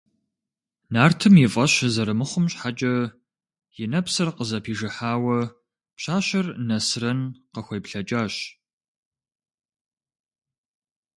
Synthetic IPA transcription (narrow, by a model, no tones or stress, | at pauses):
naːrtʰɨmjɪfʼɐɕzɐɾɨmɨχʷʊmɕʼħat͡ʃʼɐ | jɪnɐpsɨrqəzɐpʰiːʒɨħaːwɐ | pɕaːɕɐrnɐsrɐnqəxʷɐjpɬɐt͡ʃʼaːɕ